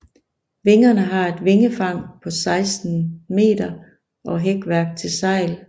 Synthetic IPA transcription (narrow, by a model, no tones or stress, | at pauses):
ʋe̝ŋɐnəɦɑ̈e̝d̥ʋe̝ŋəfɑ̈ŋ̰pʰɒ̽sɑ̈ɪsd̥n̩me̝̰ːd̥ɐ | ʔɒ̽ɦeɡ̥ʋæɐɡ̥̚t͡sʰe̝lsɑ̈ɪ̰l